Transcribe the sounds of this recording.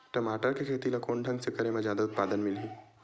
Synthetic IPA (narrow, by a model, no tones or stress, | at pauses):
ʈɐmaːʈəɾkekʰeːt̪ilakoːɳɖʱɐ̃ŋɡsekɐɾemẽzjaːd̪aʊt̪̚paːd̪ənmɪlɦi